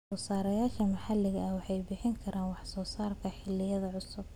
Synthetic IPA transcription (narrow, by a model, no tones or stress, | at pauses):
ɔːsaːɾɐjaːʃɐmɐħɑlɪɣɐʔɐwɑħɑjbɪħɪŋkʰɐɾʔaːnwɑħsɔːsaːrkʰɐħɪlɪjɐðɐʕʊsʊb